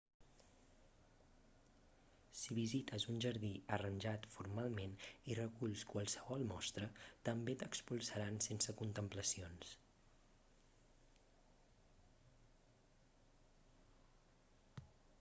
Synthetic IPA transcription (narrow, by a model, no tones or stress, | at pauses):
siβizit̪əzunʲʒəɾðiərənʲʒat̪fuɾmalˠmenirəkuʎskwəlˠsəβɔlˠmɔst̪ɾət̪əmbet̪əkspulˠsəɾansensəkunt̪əmpləsions